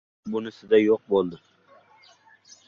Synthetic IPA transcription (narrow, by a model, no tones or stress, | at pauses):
bʊnɪsɪd̪ajoq̚bolˠd̪ɪ